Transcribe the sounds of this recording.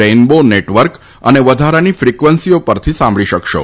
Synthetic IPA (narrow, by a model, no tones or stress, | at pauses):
enboneʈʋəɾk | ə̰neʋəd̪ʱaɾanifɾikʋənsijopəɾt̪ʰisãmbɭiʃəkʃo̰